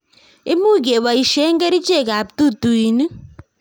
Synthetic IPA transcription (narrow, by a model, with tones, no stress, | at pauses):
i˦mu˦ɡe˨βa˨i˨ʃɛ˦ŋɡɛ˦ɾi˦t͡ʃɛ˦˨ka˨p̚tu˦tu˨i˨ni˦